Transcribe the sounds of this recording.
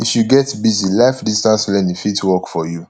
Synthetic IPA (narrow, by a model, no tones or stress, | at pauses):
ifjuɡɛtbizilaɪfdistãnslɛ̃nifitwɔkfɔju